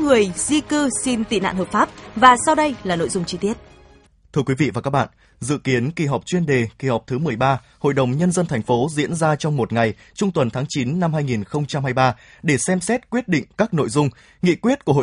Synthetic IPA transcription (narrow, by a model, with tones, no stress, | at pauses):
ŋɨ˨˩əjzi˧kɨ˧si˧nt̪ḭ˧˨na̰ː˧˨nɦəː˨˩p̚faː˦˥p̚vaː˨˩sa˧wɗə˧jlaː˨˩no̰˧˨jzʊ˧wŋ͡mt͡ɕi˧t̪i˦˥ət̚ | t̪ʰɨ˧əkwi˨˦vḭ˧˨vaː˨˩kaː˦˥k̚ɓa̰ː˧˨n | zɨ̰˧˨ki˨˦ənki˨˧˩ɦɔ˨˩wk͡p̚t͡ɕwi˧ənɗe˨˩ki˨˩hɔ˨˩wk͡p̚t̪ʰɨ˨˦mɨ˨˩əjɓaː˧ | ho̰˧˨jɗə˨˩wŋ͡mɲə˧nzə˧nt̪ʰɛ˨˩jŋ̟fo˨˦zḭ˧˥ənzaː˧t͡ɕɔ˧wŋ͡mmo˨˩t̚ŋa˨˩j | t͡ɕɔ˧ŋ͡mt̪wə˨˩nt̪ʰaː˨˦ŋt͡ɕi˨˦nːa˧mhaː˧jŋi˨˩nxə˧wŋ͡mt͡ɕa˧mhaː˧jɓaː˧ | ɗe˧˩sɛ˧msɛ˦˥t̚kwi˦˥ət̚ɗḭ̈˧˨ŋ̟kaː˦˥k̚no̰˧˨jzʊ˧ŋ͡m | ŋḭ˧˨kwi˦˥ət̚ku˧˩əɦo̰˧˨